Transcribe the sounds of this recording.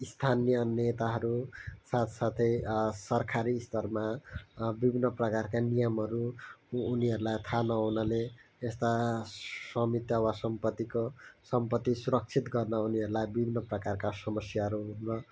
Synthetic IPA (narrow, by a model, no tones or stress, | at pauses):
ist̪ʰanijʌnet̪aɦʌɾusat̪ʰsat̪ʰʌjsʌrkʰaɾist̪ʌrma | bibʱinːʌprʌkarkanijʌmɦʌɾuː | niɦʌɾulajt̪ʰanʌɦunʌleːst̪a | sʌmit̪jʌwasʌmpʌt̪ːikosʌmpʌt̪ːisuɾʌk̚t͡sʰit̪ɡʌrnʌuniʌɾulajbibʱinːʌprʌkarkasʌmʌsjaɦʌɾuɦunnʌ